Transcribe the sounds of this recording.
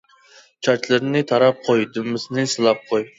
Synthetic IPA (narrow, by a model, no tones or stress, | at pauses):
t͡ʃʰɑt͡ʃlˠɨɾnɪt̪ʰɑɾɑp̚qʰojd̪ymːɪsɪnɨsɨlˠɑp̚qʰoj